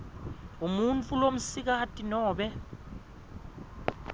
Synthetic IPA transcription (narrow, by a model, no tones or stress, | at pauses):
umunt͡fʼulom̩sik̬atʼinɔːɓɛ